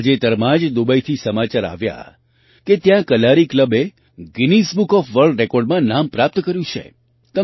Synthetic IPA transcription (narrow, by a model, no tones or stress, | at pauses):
d͡ʒet̪əɾmãd͡ʒd̪ubəjt̪ʰisəmat͡ʃaɾa̰ʋja̰ | ket̪jãkəlaɾikləbe | ɡinisbukɔfʋəɾɖɾekɔɾɖmãnampɾap̚t̪kəɾjũt͡ʃʰḛ | t̪ə